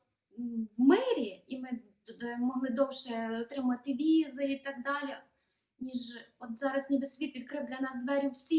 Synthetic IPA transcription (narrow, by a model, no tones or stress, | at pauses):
wmɪɾʲiimɪ | mɔɦlˠɪd̪ɔwʃɛɔt̪ɾɪmɐʋɐt̪ɪʋʲizɪit̪ɑɡ̚d̪ɑlʲi | nʲiʒɔt̪zɑɾɐsnʲɪbesʲʋʲit̪ʋʲid̪̚kɾɪwd̪lʲɐnɑsd̪ʋɛɾʲʊwsʲi